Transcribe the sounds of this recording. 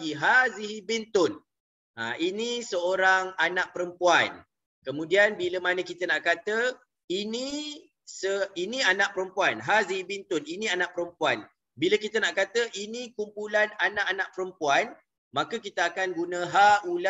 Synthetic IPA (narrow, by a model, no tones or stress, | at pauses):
iɦaziɦibɪnt̪ʊn | ainĩsəoɾaŋanãʔ̚pəɾəmpuan | kəmũdianbiləmanə̃kit̪ənaʔkat̪ə | inĩ | səinĩanãʔ̚pəɾəmpuanɦaziɦibint̪ʊninĩanãʔpəɾəmpuan | biləkit̪ənaʔkat̪əʔinĩkumpulananãʔanãʔ̚pəɾəmpuan | mãkəkit̪əakanɡunə̃ɦaula